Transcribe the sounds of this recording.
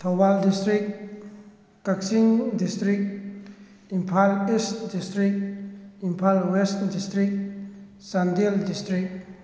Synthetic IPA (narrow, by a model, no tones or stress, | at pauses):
t̪ʰawbaldistɾik | kak̚siŋdistɾik̚ | impʰalistdistɾikimpʰalwestdistɾik̚ | sandeldistɾik̚